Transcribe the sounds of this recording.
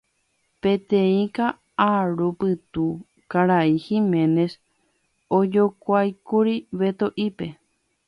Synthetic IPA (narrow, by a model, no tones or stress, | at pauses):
pẽt̪ẽĩka | aɾupɨt̪u | kaɾaihimẽ̞ne̞s | od͡ʒokʷajkuɾiʋe̞t̪oʔipe̞